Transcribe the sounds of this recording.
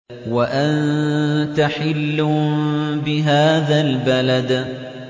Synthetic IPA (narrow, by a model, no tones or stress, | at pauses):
waʔant̪aħɪlːʊ | bɪɦaːðalbalad̪